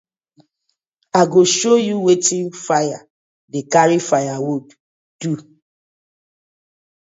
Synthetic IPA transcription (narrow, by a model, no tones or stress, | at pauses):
aɡoʃojuwetĩnfaja | dekaɹifajawud | du